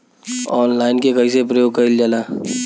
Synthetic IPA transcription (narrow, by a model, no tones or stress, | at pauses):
ɔːnlaːɪnkekɐisep̬ɾɐjoːɡkɐɪld͡ʒaːlaː